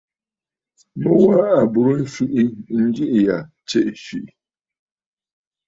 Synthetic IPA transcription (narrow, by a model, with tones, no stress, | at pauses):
mʊ˦wa˦a˨bʊ˨ɾʊ˦n̩˦su˦ʔi˦n̩˦d͡ʒi˦ʔja˨ | t͡ɕʰɛ˦ʔʃi˨ʔ